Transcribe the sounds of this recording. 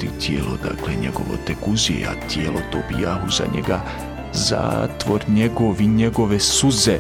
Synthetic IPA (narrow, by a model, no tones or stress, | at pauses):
it̪jeːlod̪akleɲeɡo̞̰ʋo̰t̪ekuziḛa̰t̪jelot̪obijaɦuza̰ɲḛɡa | za̰ːt̪ʋo̞ɾɲeɡoʋiɲeɡoʋesuze